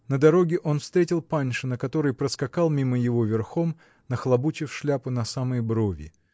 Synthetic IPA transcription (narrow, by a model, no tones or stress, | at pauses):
nəd̪ɐɾo̞ɡʲɪʔo̞nfst̪ɾʲetʲɪlˠpanʲʂɨnəkɐt̪o̞ɾɨjpɾəskɐkalˠmʲiməjɪvo̞vʲɪrxo̞m | nəxlˠɐbut͡ɕɪfʂlʲapɨnɐsaməjbɾo̞vʲɪ̰